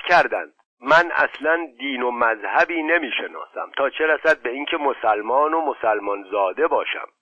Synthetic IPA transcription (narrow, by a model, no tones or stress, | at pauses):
kʰæɾd̪æ̰nd̪̥ | mænæ̰slænd̪iːno̞mæzhæbiːne̞miːʃenɒ̰ːsæ̰mt̪ʰɒːt͡ʃʰe̞ɾæsæd̪̚be̞iːŋcʰe̞mosælmɒːnomo̞sælmɒnzɒːd̪e̞bɒːʃæ̰m